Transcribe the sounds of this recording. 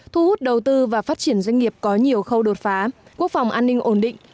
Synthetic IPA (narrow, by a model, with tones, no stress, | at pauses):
t̪ʰu˧hu˦˥t̚ɗə˨˩wt̪ɨ˧vaː˨˩faː˦˥t̚t͡ɕi˧˩ənzwa˧jŋ̟ŋi˨˩əp̚kɔ˨˦ɲi˨˩əwxə˧wɗo˨˩t̚faː˨˦ku˦˥ək̚fa˨˩wŋ͡mʔaː˧nːï˧ŋ̟ʔo˧˩nɗḭ˧˨ŋ̟